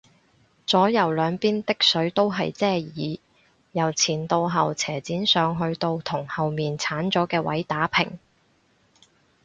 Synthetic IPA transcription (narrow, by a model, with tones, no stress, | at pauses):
t͡sɔː˨˥jɐ˨˩wlœː˨˧ŋpiː˥nt̪ɪ˥k̚sɵ˨˥ɥt̪o˥wɦɐ˨jt͡sɛː˥jiː˨˧ | jɐ˨˩wt͡sʰiː˨˩nt̪o˧wɦɐ˨wt͡sʰɛː˨˩t͡siː˨˥nsœː˨˧ŋɦɵ˧ɥt̪o˧wt̪ʰʊ˨˩ŋhɐ˨wmiː˨nt͡sʰaː˨˥nt͡sɔː˨˥kɛː˧wɐ̰˨˥jt̪aː˨˥pʰɪ̰˨˩ŋ